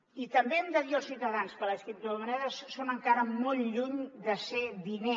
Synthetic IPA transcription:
it̪əmbeɛmd̪əðiəlˠsit̪əðanskələskɾip̚t̪uðəmənɛðəssonəŋkaɾəmolʎuɲd̪əseðine

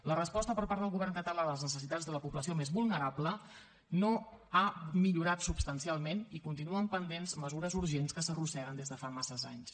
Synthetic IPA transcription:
lərəspɔst̪əpəɾpaɾðəlˠɣuβɛrŋkət̪əlaləznəsəs̬it̪ad͡zðələpubləsiomezβulˠnəɾablə | noamiʎuɾat̪subst̪ənsialˠmenikunt̪inuəmpənd̪enzməzuɾəzuɾʒenskəsərusɛɾənd̪ezðəfamasəzaɲs

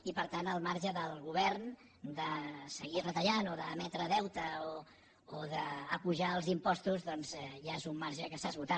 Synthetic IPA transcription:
ipəɾt̪anəlˠmaɾʒəðəlˠɣuβ̞ɛrn | d̪əsəɣirət̪əʎanoðəːmɛt̪ɾəðɛwt̪əo | oðəːpuʒaəlˠzimpɔst̪uzðɔnzɛʒaezumːaɾʒəkəsazβut̪a

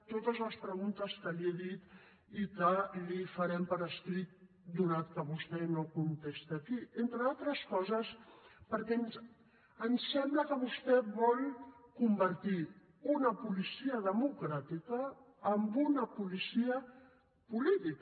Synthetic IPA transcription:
t̪ot̪əzləspɾəɣunt̪əskəliɛðit̪ | ikəlifaɾɛmpəɾəst̪ɾit̪̚ | d̪unat̪kəβust̪ɛnokunt̪est̪akient̪ɾəalˠt̪ɾəskɔzəspəɾkɛns | ənsːɛmbləkəβust̪ɛβɔlkumbəɾt̪i | unəpulisiəðəmukɾat̪ikəː | mbunəpulisiə | pulit̪ik

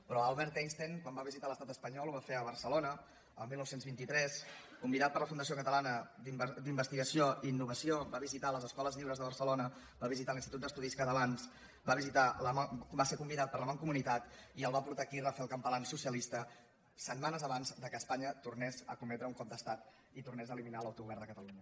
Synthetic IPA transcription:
pɾɔalˠβɛɾt̪enst̪eŋkwambaβizit̪aləst̪at̪əspəɲɔlˠuβafeəβəɾsəlonə | əlˠmilˠnɔwsenzβint̪it̪ɾɛskumbiðat̪̚pəɾləfund̪əsiokət̪əlanəd̪imbd̪imbəst̪iɣəsijoiːnːuβəsiobaβizit̪aləzəskɔləzʎiwɾəzðəβərsəlonə | baβizit̪alinst̪it̪ut̪əst̪uðiskəðəβanz | baβizit̪aləbasekumbiðat̪̚pəɾləmaŋkumunit̪at̪iəlˠβapuɾt̪aːkirafɛlˠkəmpəlansusiəlist̪ə | sət̪manəzəβanzd̪əkəspaɲət̪urnɛzə̰kumɛt̪ɾəuŋkɔp̚d̪əst̪at̪ | it̪urnɛzəliminaləwt̪uɣuβɛrnd̪əkət̪əluɲə

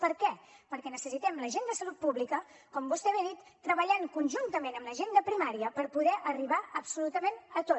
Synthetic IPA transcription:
pəɾkɛpəɾkɛnəsəsit̪ɛmləʒend̪əsəlut̪̚puβlikə | kɔmbust̪ɛβeðit̪ːɾəβəʎaŋkunʲʒunt̪əmenəmləʒend̪əpɾimaɾiəpəɾpuðɛʔəriβaəpsulut̪əmenət̪ot̪

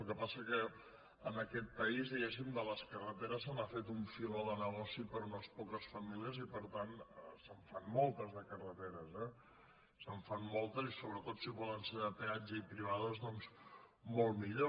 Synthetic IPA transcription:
əlˠkəpasəkə | ənəkɛt̪̚pəizðiɣɛs̬imd̪ələskərət̪eɾəsənafet̪uɱfiloðənəɣɔsipəɾunospɔkəsfəmiliəzipəɾt̪anəsəɱfanmɔlˠt̪əzðəkərət̪eɾəzɛ | səɱfanmɔlˠt̪əzisoβɾət̪ot̪siβɔlənseðəpead͡ʒəipɾiβ̞aðəzðɔns | molˠmiʎo

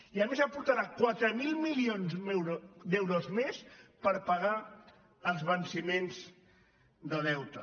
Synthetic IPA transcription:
iəmezəpuɾt̪əɾakwat̪ɾəmilˠmilionzeɾd̪ewɾozmespəɾpəɣa | əlˠzβənsimenz | d̪əð̞ɛwt̪ə

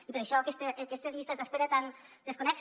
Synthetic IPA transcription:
ipɾeʃokest̪ekest̪ezmist̪azaspeɾat̪and̪eskoneks

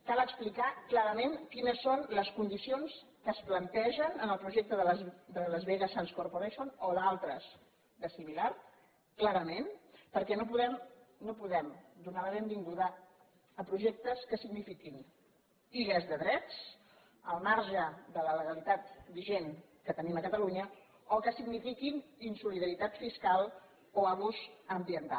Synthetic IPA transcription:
kalˠəksplikaklaɾəmenkinəsːonləskund̪isions | kəːsplənt̪ɛʒənənəlˠpɾuʒɛk̚t̪əðəd̪ələzβeɣəsanskoɾpoɾeʃonoðalˠt̪ɾəs | d̪əsimilaɾ | klaɾəmenpəɾkɛnopuðɛmnopuðɛmd̪unaləβend̪iŋɡuðaː | pɾuʒɛk̚t̪əskəsiɡnifikin | iʎəzðəðɾɛt͡s | əlˠmaɾʒəðələləɣəlit̪at̪biʒen | kət̪əniməkət̪əluɲə | okəsiɡnifikininsuliðəɾit̪at̪fiskalˠ | oaβuzəmbiənt̪a̰

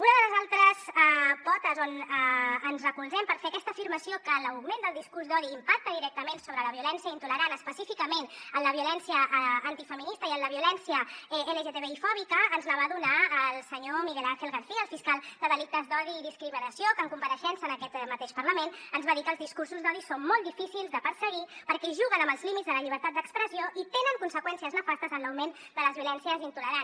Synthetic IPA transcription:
unəðələzalˠt̪ɾəsɛpɔt̪əzonəənzrəkulzɛmpəɾfeəkɛst̪əːfiɾməsiokələwɣmend̪əlˠd̪iskuɾzd̪ɔðiːmpak̚t̪əðiɾɛk̚t̪əmensoβɾələβiulɛnsiəint̪uləɾanəspəsifikəmenəmləβiulɛnsiəʔːnt̪ifəminist̪əiənləβiulɛnsiəeleʒet̪eβeifɔβikəːnzləβ̞aðunaːlˠsəɲomiɣɛlaɾxelˠɣəɾθiəːlˠfiskalˠd̪̥əðəlik̚t̪əzd̪ɔðiːðiskɾiminəsiokəŋkumpəɾəʃɛnsənəkɛt̪mət̪eʃpəɾləmenənzβaðikəːlˠzðiskuɾsuzðɔðisommɔlˠd̪ifisilˠzd̪əpəɾsəɣipəɾkɛʒuɣənəmbəlˠzlimitd͡zzðələʎiβəɾt̪at̪d̪əkspɾəzioʔit̪enəŋkunsəkwɛnsiəznəfast̪əzənləwmen | d̪ələzβiulɛnsiəzint̪uləɾan

